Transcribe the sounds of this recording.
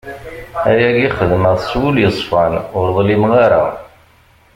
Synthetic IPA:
æjæɡiχəðmæðˤswuljəsˤfænʊɾðˤlimʁaɾa̰

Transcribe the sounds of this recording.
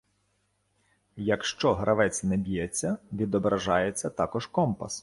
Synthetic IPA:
jɐkʃt͡ʃɔɦɾʔɐʋɛt͡sʲnɛbʲijɛt͡sʲːɐʋʲid̪ɔbɾɐʒɑjet͡sʲːɐt̪ɑkɔʒkɔmpɐ̰s

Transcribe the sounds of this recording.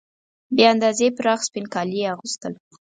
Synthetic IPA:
beand̪ɑzepəɾɑxspɪnkɑlieaɣust̪əl

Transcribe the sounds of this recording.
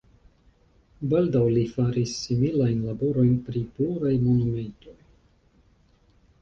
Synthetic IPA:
baldawlifaɾisːimilajnlabo̞ɾo̞jnpɾipluɾajmo̞nume̞nto̞j

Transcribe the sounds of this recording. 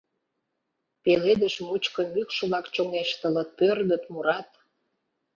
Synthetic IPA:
peled̪əʃmut͡ɕkəmykʃəβlɑkt͡ɕoŋeʃt̪ə̆lət̪̚pørd̪ə̆t̪muɾɑt̪

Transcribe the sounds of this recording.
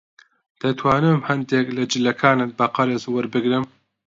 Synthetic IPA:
d̪̥ɐt̪ʰwaːnɨmhɐnd̪eklɐd͡ʒɪlːɐkʰaːnɨt̪̚bɐqɑɾezwɨɾbɨɡɾɨm

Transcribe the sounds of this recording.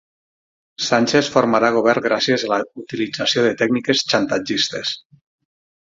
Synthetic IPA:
sanʲt͡ʃesfoɾmaɾaɣ̞oβ̞ɛɾɡɾasiezaləut̪ilid͡zasioðet̪ɛknikest͡ʃant̪ad͡ʒist̪es

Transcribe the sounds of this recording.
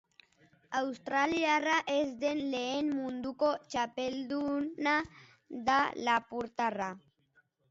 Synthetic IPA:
awst̪ɾaljaraʔezd̪enleenmund̪ukot͡ʃapeld̪una | d̪alapuɾt̪ara

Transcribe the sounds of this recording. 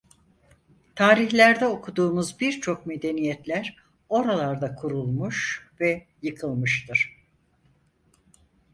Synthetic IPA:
t̪ʰaːɾiçlʲæɾd̪ɛokʰud̪uːmuzbiɾt͡ʃʰo̞kme̞d̪e̞nijɛt̪lʲæɾ | o̞ɾalˠaɾd̪akʰuɾulˠmuʃvɛ | jɯkʰɯlˠmɯʃt̪ʰɯɾ̥

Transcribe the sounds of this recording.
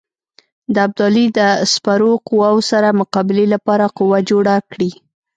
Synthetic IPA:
d̪əab̚d̪ɑlid̪əspaɾoqʊwawsaɾamʊqɑbɪlelapɑɾaqʊwad͡ʒoɽakɽi

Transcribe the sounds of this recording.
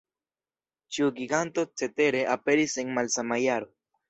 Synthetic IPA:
t͡ʃuɡiɡant̪ot͡set̪e̞ɾeʔape̞ɾiseŋmalsamajaɾo

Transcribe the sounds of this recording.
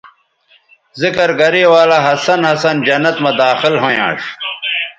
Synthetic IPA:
zikɐɾɡɐɾiwaːlɐɦɐsɐnhɐsɐnd͡ʑɐnɐt̪mɐd̪aːxilɦõjã̰ːʂ

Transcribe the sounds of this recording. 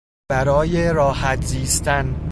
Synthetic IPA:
bæɾɒːjeɾɒːhæt̪ʰziːst̪æn

